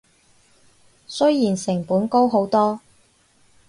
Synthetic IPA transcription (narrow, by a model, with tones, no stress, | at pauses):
sɵ˥ɥjiː˨˩nsɪ˨˩ŋpuː˨˥nko˥wɦo˨˥wt̪ɔː˥